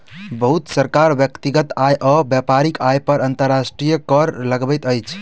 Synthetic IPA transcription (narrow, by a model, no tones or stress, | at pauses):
bəɦut̪səɾkaɾbjəkt̪iɡət̪ajʔəbjapaɾikajpəɾənt̪əɾːasʈɾijəkəɾləɡbɛjt̪əjt͡ʃʰ